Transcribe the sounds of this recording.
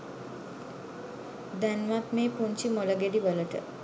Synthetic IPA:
d̪ɛnʋat̪mepunt͡ɕiːmoləɡeɽiʋələʈə̰

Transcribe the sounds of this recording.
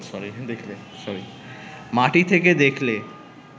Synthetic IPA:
sɔɾid̪ekʰle | sɔɾi | maʈit̪ʰeked̪ekʰle

